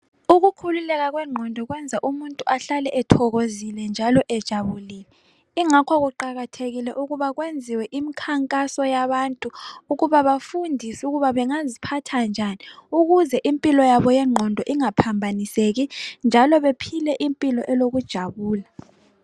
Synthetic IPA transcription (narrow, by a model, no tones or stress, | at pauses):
uɣukʰululɛɣaɣwɛŋ͡ǃʱɔndʱɔɣwɛnd͡zʱaʔumuntʼuaɬalɛʔɛtʰɔɣozilɛnd͡ʒʱalɔʔɛd̥ʒ̥ʱaβuliːlɛ | iŋakʰwaɣuǃaɣatʰeɣilɛʔuɣuβaɣwend͡zʱiwɛʔimikʰaŋkʼasɔjaβaːntʼuːɣuβaβafundʱisuɣuβaβɛŋazipʰatʰand͡ʒʱaniuɣuzɛʔimpʼilɔjaβɔjɛŋ͡ǃʱɔndʱɔʔiŋapʰambʱaniseɣind͡ʒʱalɔβepʰilɛʔimpʼilɔʔɛloɣud̥ʒ̥ʱaβuːla